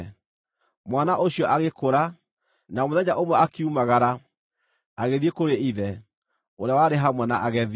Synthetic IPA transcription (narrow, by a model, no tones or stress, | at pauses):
mwanaʔoɕiɔʔaɣekoɾa | namoðɛɲaʔomwɛakiumaɣaɾa | aɣeðiekoɾeiðɛ | oɾeawaɾeɦamwɛnaʔaɣɛð